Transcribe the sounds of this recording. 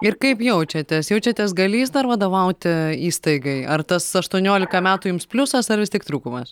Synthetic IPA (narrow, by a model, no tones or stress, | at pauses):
ɪrkɐɪpjɛʊt͡ʃʲɛt̪ʲɛsjɛʊt͡ʃʲɛt̪ʲɛsɡɐlʲiːsd̪ɐrʋɐd̪oːʋɐʊt̪ʲiːst̪ɐɪɡɐɪɐrt̪ɐsɐʃt̪uɔnʲoːlʲɪkɐmʲæːt̪uːjʊmspʲlʲʊsɐsɐɾʋʲɪst̪ʲiɛkt̪ɾuːkʊmɐs